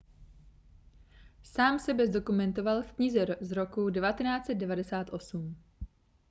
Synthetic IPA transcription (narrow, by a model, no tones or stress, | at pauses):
saːmsɛbɛzdo̞kumɛnt̪o̞valfkɲizɛzɾokudɛvat̪ɛnaːt͡sɛd̪̚dɛvadɛsaːt̪ʔo̞sum